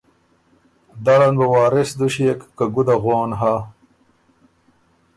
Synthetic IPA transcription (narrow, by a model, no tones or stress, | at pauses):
d̪aɽɐnbɐwaːɾesd̪uɕiekːaɡud̪aɣoːnɦa